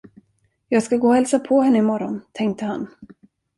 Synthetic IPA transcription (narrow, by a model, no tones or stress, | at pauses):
jɑːɡskaɡoːhɛlsapʰɔhɛnːəɪmɔɾɔnt̪ʰɛŋk̚t̪əhan